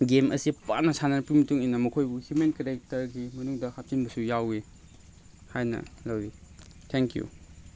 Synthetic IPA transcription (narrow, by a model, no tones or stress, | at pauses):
ɡemɐ̰sipaɾnɐsanɐnpumɐtuŋinɐmɐkʰojbuhjumenkeɾek̚tɐɾɡimɐnuŋdɐhap̚tinbɐsujawi | hajnɐ̰lɐwɾi | tʰeŋkjṵ